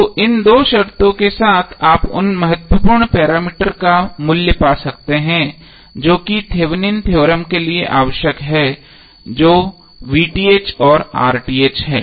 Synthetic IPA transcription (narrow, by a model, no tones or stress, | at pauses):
t̪oʔɪnd̪oːʃɐɾt̪õkesaːt̪ʰaːpʊ̰nmɐɦət̪wəpuːɾɳpɛːɾaːmiːʈəɾkamʊljəpaːsɐk̚t̪eɦɛ̃ː | d͡ʒoːkit̪ʰeːʋnint̪ʰjoːɾəmkelieʔaːʋəʃjəkɦɛː | d͡ʒoː | ʋiːʈiːeːt͡ʃɔːɾa̰ːɾʈiːeːt͡ʃɦɛ̰ː